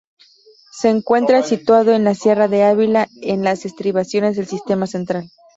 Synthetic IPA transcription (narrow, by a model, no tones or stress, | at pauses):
se̞ːŋkwe̞nt̪ɾasit̪waðo̞e̞nlasje̞raðe̞aβilaenlasest̪ɾiβasjo̞ne̞zðe̞lsist̪e̞mase̞nt̪ɾal